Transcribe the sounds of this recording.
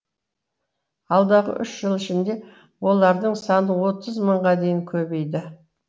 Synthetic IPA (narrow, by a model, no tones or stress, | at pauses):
ɑlˠd̪ɑʁə̰ʔʏʃʒ̥əlˠɪʃɪnd̪e̞ | wo̞lˠɑɾd̪əɴsɑnəwo̞t̪əzməɴʁɑd̪e̞jɪŋkʲʰɵbe̞jd̪ɪ